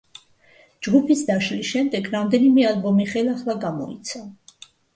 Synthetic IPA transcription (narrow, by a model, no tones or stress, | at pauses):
d͡ʒɡupʰisd̪aʃlisʃɛmd̪ɛɡɾamd̪ɛnimɛalˠbɔmiχɛlaχlˠaɡamɔ̰ḭt̪sʰa